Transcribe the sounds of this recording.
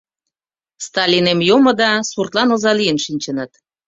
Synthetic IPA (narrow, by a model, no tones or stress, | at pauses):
st̪ɑlʲinemjomɤ̆d̪ɑsurt̪lɑnozɑlijənʃinʲt͡ɕənət̪